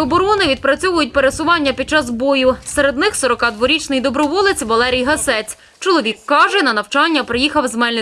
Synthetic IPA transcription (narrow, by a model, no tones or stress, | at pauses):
ɔbɔɾɔnɪʋʲid̪̚pɾɐt͡sʲɔʋʊjʊt̚ʲpeɾesʊʋɑnʲːɐpʲid̪̚t͡ʃɑzbɔjʊseɾe̞d̪nɪxsɔɾɔkɑd̪ʋɔɾʲit͡ʃnɪjd̪ɔbɾɔʋɔlˠɪt͡sʲʋɐlˠɛɾʲijɦɐsɛt͡sʲ | t͡ʃɔlˠɔʋʲikːɑʒɛnɐnɐwt͡ʃɑnʲːɐpɾejixɐwzmɛlʲnɪ